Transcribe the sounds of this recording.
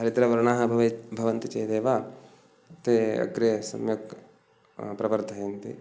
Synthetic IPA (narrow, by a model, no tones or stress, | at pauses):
ɦɐɾit̪ɾɐʋɐɾɳaːɦɐbʱɐʋɐbʱɐʋɐnt̪ɐt͡ʃɐːd̪eːʋaː | t̪eɐ̰ɡɾɐjɐsɐ̰mjɐk | pɾɐʋɐɾd̪ʱɐjɐnt̪ḭ